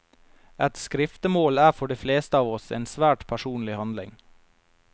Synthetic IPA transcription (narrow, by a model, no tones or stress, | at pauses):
ʔɛt̪skɾɪft̪əmoːlæːɾfɔɖiːfleːst̪əɑːʋɔsḛːnsʋæːʈpʰæʃuːnlɪhɑnd̪lɪ̰ŋ